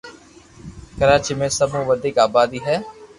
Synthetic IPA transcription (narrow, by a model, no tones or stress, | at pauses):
kəɾaːt͡ʃiːmẽːsəbũːʋəd̪ɪːkaːbaːd̪iːɦɛː